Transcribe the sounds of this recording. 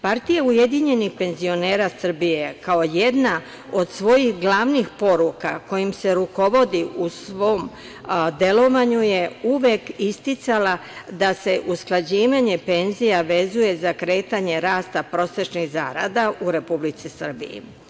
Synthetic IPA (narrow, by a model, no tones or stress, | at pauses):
paɾt̪ijaujed̪iɲe̞nixpe̞nzio̞ne̞ːɾasr̩bije̞kao̞je̞d̪na | o̞d̪sʋo̞jixɡlaʋnixpo̞ɾuka̰ko̞jimse̞ɾuko̞ʋo̞d̪iʔusʋo̞ːm | d̪e̞lo̞ʋaɲuje̞uʋekist̪it̪salad̪ase̞ʔusklˠad͡ʑiːʋaɲe̞pe̞nzijaʋe̞zuje̞zakɾe̞ːt̪aɲe̞ɾaːst̪apɾo̞se̞t͡ʃniɣzaɾa̰d̪auɾe̞publit̪sisr̩bḭjḭ